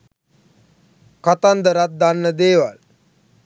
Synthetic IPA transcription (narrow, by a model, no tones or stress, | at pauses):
kat̪and̪əɾat̪̚d̪anːəd̪eːʋa̰l